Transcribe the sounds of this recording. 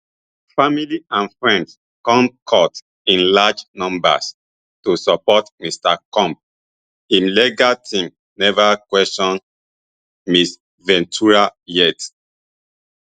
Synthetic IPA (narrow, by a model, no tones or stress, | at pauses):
familiʔãnfɹɛ̃nds | kɔ̃mp̚kʰɔt | ĩnlad͡ʒnɔ̃mba̰s | tusɔpɔtmistakɔ̃mp̚ | ĩnlɛɡatʰĩm | nɛvakwɛstɔ̃n | mis | vɛ̃ntʰuɹajɛt